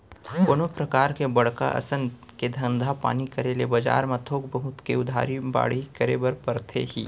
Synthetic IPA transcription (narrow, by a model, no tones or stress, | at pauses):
koːnopɾɐkaːɾkebɐɽ̤ka̰ʔɐ̰sən | ked̪ʱɐ̃nd̪ʱapa̰ːnikɐɾelebɐd͡ʒa̰ːɾmat̪ʰoːkbəɦʊt̪keʊd̪ʱa̰ːɾiba̰ːɽ̤ikəɾḛbɐɾpɐɾt̪ʰḛɦḭː